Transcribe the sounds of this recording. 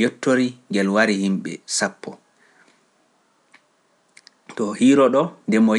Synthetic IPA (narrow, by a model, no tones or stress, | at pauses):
jotːoɾiŋɡɛlwaɾihimɓɛ̰sapʰːɔ | tɔhiːɾɔɗɔndɛmɔ